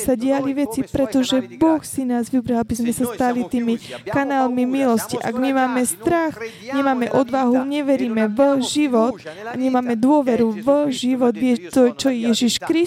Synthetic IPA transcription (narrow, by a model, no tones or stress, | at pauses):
saɟɪaliʋɛt͡sipɾɛt̪ɔʒɛbɔxsinaːzʋibɾalabizmɛsast̪alit̪iːmikanaːlmimilɔsciʔa̰ɡmimaːmɛst̪ɾax | ɲɛmaːmɛʔɔd̪ʋaɦuɲɛʋɛɾiːmɛʋəʒiʋɔt̪a̰ɲɛmaːmɛd̪ʊɔʋɛɾuʋəʒiʋɔd̪ʋɪɛt̪ɔt͡ʃɔjɛjɛʒiʃkɾi